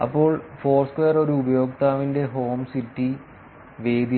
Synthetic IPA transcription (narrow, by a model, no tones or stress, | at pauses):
ɐ̰pːo̞ːɭfo̞ːrskwejɐro̞ɾuubɐjo̞ːkt̪aːʋinde̞ɦo̞ːmsitːi | ʋe̞ːd̪i